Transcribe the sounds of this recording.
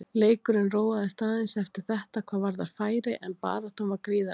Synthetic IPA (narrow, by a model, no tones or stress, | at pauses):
leːjkʏɾɪnroːwaðɪst̪aːðɪnsɛft̪ɪɾ̥θɛht̪akʰv̥aːðvaɾðaðfaːjɾɪʔɛnpa̰ːɾat̪ʰomvaɾkɾiːða